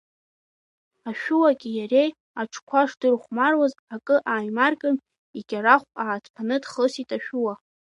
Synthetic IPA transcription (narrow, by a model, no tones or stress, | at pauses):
aʃᶣuwaɡʲijare̞j | aʈ͡ʂʰkʷʰaʂdɨrχʷmarwazakʼɨʔaːjmarkʼɨm | iɡʲaɾaχʷʼaːtʰpʰanɨdχəsitʼaʃᶣuwa